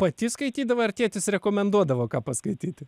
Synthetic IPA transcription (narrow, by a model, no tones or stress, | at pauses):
pɐt̪ʲɪskɐɪt̪ʲiːd̪ɐʋoːɐrʲt̪ʲiɛt̪ʲɪsɾʲɛkoːmʲɛnd̪uɔd̪ɐʋoːkɑːpɐskɐɪt̪ʲiːt̪ʲɪ